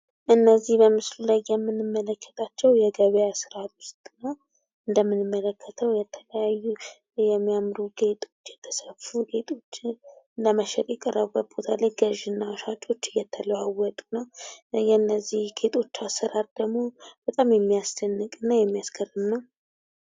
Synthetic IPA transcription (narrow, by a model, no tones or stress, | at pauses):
ʔɨnːəzːihbəmɨslulajːɛmːɨnɨmːələkːə̥t̪ʼʰat͡ʃːɛwjɛɡəβəjasɨɾat̪wʊst̪ʼnəw | ɨnd̪əmːɨnɨmːələkʰːət̪ʰəwjɛt̪ʰələjajːu | jɛmːijamɾuɡe̞t̪ʼo̞t͡ʃːjɛt̪ʰːə̥səffuɡe̞t̪ʼo̞t͡ʃːɪɨnd̪əməʃɛt̪ʼjɛkʼːərːəβbət̪̚bo̞t̪ʰalajɡəʒɨnːawʃat͡ʃʼo̞t͡ʃːɨjɛt̪ʰːələwawːɔt̪ʼu̥nəwjɛnːəzːihɡʰe̞t̪ʰʼo̞t͡ʃːasəɾat̪̚d̪əɡmo̞b̥ət̪ʼamjɛmːijast̪ʰənːɨkʼɨnːajɛmːijaskʰərɨnːəw